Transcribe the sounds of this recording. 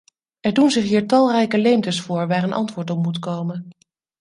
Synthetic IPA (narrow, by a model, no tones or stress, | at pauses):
ɛɹdunzɪχɦiːɹtɑlˠrɛjkəlejmtəsfʊːɹʋaːɹənʔɑ̰ntʋʊːɹtɔpmutkowmən